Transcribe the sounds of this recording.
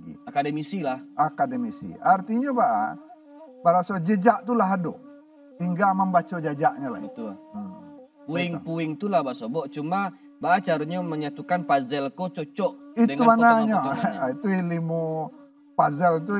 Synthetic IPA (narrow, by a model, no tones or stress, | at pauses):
ɡḭakadəmisilahakadəmisḭart̪iɲabaʔa̰ | baɾasod͡ʒəd͡ʒaʔt̪ulaɦado̰ | ɦiŋɡamambat͡ʃod͡ʒad͡ʒaʔɲala̰it̪u | puɪŋpuɪŋt̪ulahbasobɔʔt͡ʃuma | baʔat͡ʃaɾuɲaməɲat̪ukanpazɛlkot͡ʃɔt͡ʃɔʔidəŋumanaɲait̪uilimu | pazɛlt̪̬u